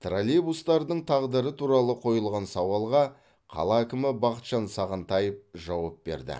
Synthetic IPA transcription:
t̪rolʲibust̪ɑɾd̪əɴt̪ʰɑʁd̪əɾət̪ʰuɾɑlˠəqʰo̞jəlˠʁɑnsɑwɑlˠʁɑ | qʰɑ̰lˠɑækʲɪmɪbɑqət̪ʃɑnsɑʁənt̪ɑjəp̚ʒɑwɑp̚be̞̰ɾd̪ɪ̰

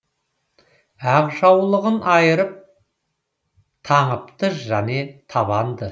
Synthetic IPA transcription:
æʁʒɑwlˠəʁənʔɑjəɾəp̚ | t̪ʰɑɴəpt̪əʃʒæne̞t̪ʰɑβɑnd̪ə

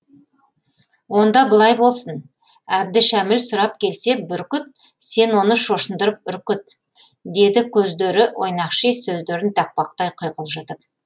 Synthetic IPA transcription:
wo̞nd̪ɑbəlˠɑjbo̞lˠsən | æb̚d̪ɪʃæmɪlsʊɾɑp̚kʲʰe̞lse̞bʏɾkʲʏt̪̚ | se̞nwo̞nəʃo̞ʃənd̪əɾəp̚ʏɾkʲʏt̪̚ | d̪e̞d̪ɪkʲʰɵzd̪e̞ɾɪwʔo̞̰jnɑqʃesɵzd̪e̞ɾɪnt̪ʰæk̚pɑqt̪ɑjqʰojqəlˠʒət̪əp̚

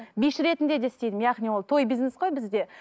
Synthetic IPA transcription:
bijʃɾe̞t̪ɪnd̪e̞d̪e̞st̪ejd̪ɪmjaʁnijwo̞lˠt̪ʰo̞jbijznesqo̞jbɪzd̪e̞

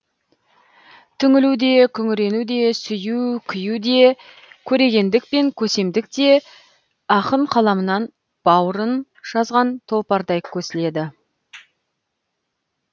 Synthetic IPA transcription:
t̪ʰʏŋɪlud̪e̞kʲʰʏŋɪɾe̞nud̪e̞sʏjukʲʰʏjud̪e̞ | kʲʰɵɾe̞ɡʲe̞nd̪ɪk̚pe̞ŋkʲʰɵse̞md̪ɪk̚t̪e̞ | ɑqəɴqʰɑlˠɑmənɑn | b̥ɑwəɾən | ʒ̥ɑzʁɑnt̪ʰo̞lˠpɑɾd̪ɑjkʲʰːɵsɪle̞d̪ɪ

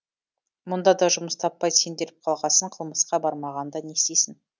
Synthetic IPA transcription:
mʊnd̪ɑd̪ɑʒʊməst̪ʰɑpːɑjse̞nd̪e̞ɾɪp̚qʰɑlˠʁɑsəɴqʰəlˠməsqɑbɑɾmɑʁɑnd̪ɑne̞st̪esɪn

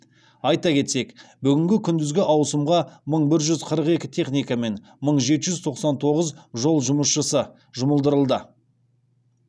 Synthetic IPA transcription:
ɑjt̪ɑkʲʰe̞t̪se̞kbʏɡʲɪŋɡʲɪkʲʰʏnd̪ɪzɡʲɪʔɑwsəmʁɑməɴbɪɾʒʏzqʰəɾəqe̞kʲɪt̪ʰe̞χnijkame̞n | məɴʒe̞t̪ɪʒʏzt̪ʰo̞qsɑnt̪ʰo̞ʁəzʒo̞lˠʒʊməsʃəsə | ʒʊməlˠd̪əɾəlˠd̪ə

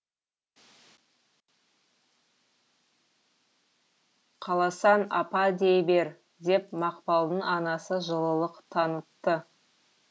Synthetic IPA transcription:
qʰɑlˠɑsɑnɑ̰pɑd̪ejbe̞ɾ | d̪e̞pmɑqpɑlˠd̪əɴɑnɑsəʒəlˠəlˠəqt̪ʰɑnət̪ːə

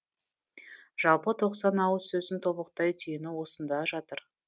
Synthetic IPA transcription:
ʒ̥ɑlˠpət̪ʰo̞qsɑnɑwəsɵzɪnt̪ʰo̞βəqt̪ɑjt̪ʰyjɪnɪwo̞sənd̪ɑʒɑt̪əɾ

